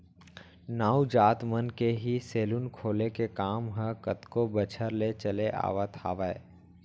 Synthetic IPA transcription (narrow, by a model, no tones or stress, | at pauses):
naːud͡ʒaːt̪mənkeɦiseːlʊnkʰoːlekekaːmɦə̃kət̪kobət͡ʃʰəɾlet͡ʃəleʔa̰ːʋat̪ʰaːʋəe